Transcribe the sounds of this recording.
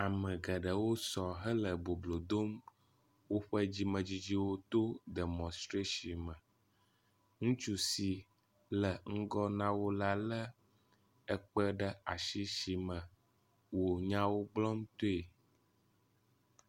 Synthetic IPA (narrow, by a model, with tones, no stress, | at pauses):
a˨mə̃˨ɡə˨ɖə˨wo˦sɔ˨ɦə˦lə˨bo˨blo˨d̪o˦m | wo˦ɸə˦d͡ʑi˦mə̃˨d͡ʑi˦d͡ʑi˦wo˦t̪o˦de˨mɔ̃˨st̪ɾe˦ʃi˨mə̃˨ | ŋũ˦t͡ʃu˦si˨ | lə˨ŋ̩˦ɡɔ˦nã˦wo˦la˦lə˦ | ə˦k͡pə˦ɖə˦a˨ʃi˦ʃi˨mə̃˨ | wo˨ɲã˦wo˦ɡ͡blɔ˦m˦t̪o˦e˨